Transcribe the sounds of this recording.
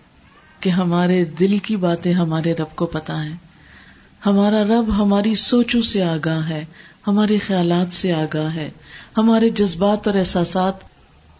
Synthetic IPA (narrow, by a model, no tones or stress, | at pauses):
keɦɐmaːɾed̪ɪlkibaːt̪ẽɦɐmaːɾeɾɐb̚kopɐt̪aɦɛ̃ː | hɐmaːɾaɾɐbɦɐmaːɾisoːt͡ʃõseaːɡaːɦɦɛːhɐmaːɾexɐjaːlaːt̪seaːɡaːɦɦɛːhɐmaːɾed͡ʒɐzbaːt̪ɔːɾɛːsaːsaːt̪